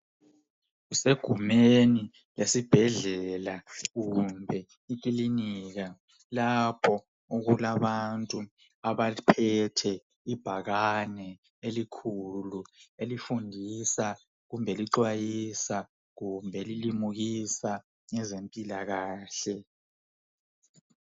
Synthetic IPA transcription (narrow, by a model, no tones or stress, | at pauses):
ɣuseɡ̥ʱumeni | lesib̥ʱɛɮɛlaɣumbʱɛ | ik̬ʼiliniːɣa | lapʰɔ | uɣulaβantʼu | aβaipʰɛtʰɛ | ib̥ʱaɣanɛ | elikʰuluelifundʱisa | ɣumbʱɛliǀwajisa | ɣumbʱɛlilimuɣisa | ŋɛzempʼilaɣaːɬɛ